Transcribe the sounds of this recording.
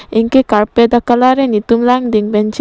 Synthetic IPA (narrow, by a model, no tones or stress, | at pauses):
iŋkekaɾped̪akalaɾenit̪umlaŋd̪iŋbɛnt͡ʃi